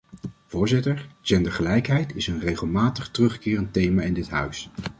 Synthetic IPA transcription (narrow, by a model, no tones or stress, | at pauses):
v̥ʊːɹzɪtəɹd͡ʒɛndəɹχəlɛjkɦɛjtɪsənrejχəlˠmaːtəχtərɵχkɪːrəntejmaːɪndɪtɦœ̰ɥs